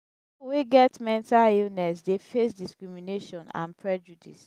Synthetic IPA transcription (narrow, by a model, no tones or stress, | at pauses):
wiɡɛtmɛ̃ntalilnɛsdefesdiskɹimineʃɔ̃nã̰npʰɹɛd͡ʒudḭs